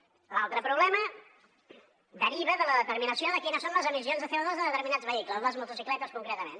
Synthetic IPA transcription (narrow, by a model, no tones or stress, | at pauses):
lalˠt̪ɾəpɾuβlɛmə | d̪əɾiβəðələðət̪əɾminəsioðəkinəsonləzəmizionzðəθəəðozðəðət̪əɾminad͡zzβəikləzləzmulˠt̪usiklɛt̪əskuŋkɾɛt̪əmen